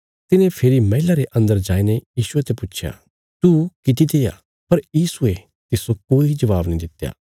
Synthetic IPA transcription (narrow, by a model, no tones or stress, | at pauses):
t̪ɪnẽpʰeːɾimɐɪlaɾeʔɐ̃nd̪əɾd͡ʒaːinejiːʃʊet̪epʊt͡ʃʰja̰ː | t̪ukɪt̪̬id̪eːja̰ | pɐɾjiːsue | t̪ɪsokoːid͡ʒɐʋaːbnĩd̪ɪt̪ːja̰ː